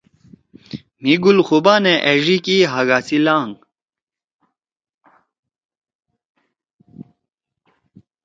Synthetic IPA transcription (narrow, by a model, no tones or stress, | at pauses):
miɡulxubaːneʔeʐikiɦaɡaːsilaːŋ